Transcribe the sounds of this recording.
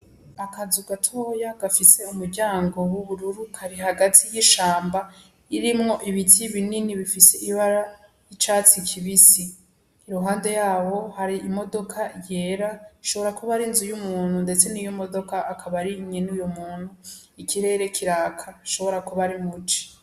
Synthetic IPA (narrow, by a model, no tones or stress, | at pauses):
akazuɡatʰoːjaɡafise̞umuɾɟaːŋɡo̞wuβuɾuɾukʰaɾiɦaɡatʰijiʃaːmba | iɾimŋo̞ʔiβitʰiβininiβifiseʔiβaɾa | it͡ʃaːt͡sikʰiβisiː | ɾuɦaːnde̞jaːho̞haɾiʔimo̞do̞kʰaje̞ɾaʃo̞βo̞ɾakuβaɾinzujumuːn̥hunde̞t͡se̞nijomo̞do̞kaʔakʰaβaɾiɲenujomuːn̥hu | ikiɾe̞ːɾe̞kʰiɾaːkʰaʃo̞βo̞ɾakuβaɾimut͡ʃi̥